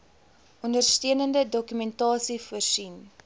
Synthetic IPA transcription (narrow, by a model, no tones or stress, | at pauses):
ɔndərstiənəndədɔkymɛntɑːsifuərsin